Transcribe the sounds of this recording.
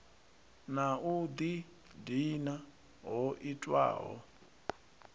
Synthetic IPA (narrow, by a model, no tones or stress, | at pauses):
naud̪i | dina | ɦɔʔitʼwa̰ːɦɔ̰